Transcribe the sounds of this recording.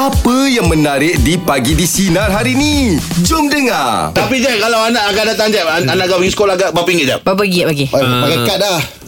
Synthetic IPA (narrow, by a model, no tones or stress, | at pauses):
apəjaŋmənaɾɪʔ̚dipaɡidisinatɦaɾinid͡ʒʊmdəŋat̪apid͡ʒakalawanaʔaɡaʔdat̪aŋd͡ʒaaanaʔaɡaʔpaɡisə̥kolahaɡaʔbapiŋɪt̪̚d͡ʒaʔbap̬əɡ̚paɡipaɡakat̪̚lah